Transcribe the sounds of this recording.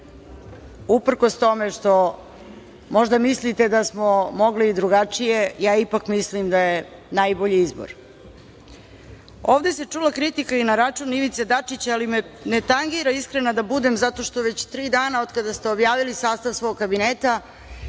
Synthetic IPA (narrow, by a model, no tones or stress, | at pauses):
upr̩kost̪o̞meʂt̪o̞ | mo̞ʒd̪amislit̪e̞d̪asmo̞mo̞ɡliːd̪ɾuɡat͡ʂije̞jaːipakmislimd̪aje̞najbo̞ʎiizbo̰ɾ | o̞ːʋd̪e̞set͡ʂulakɾit̪ikainaɾat͡ʂuniʋit̪sed̪at͡ʂit͡ɕalimene̞t̪aŋɡiɾaiskɾenad̪abud̪e̞mzat̪o̞ʃt̪oʋe̞t͡ɕt̪ɾiːd̪aːnao̞d̪kad̪ast̪eobjaːʋilisaːst̪aʋsʋo̞ɡkabineːt̪a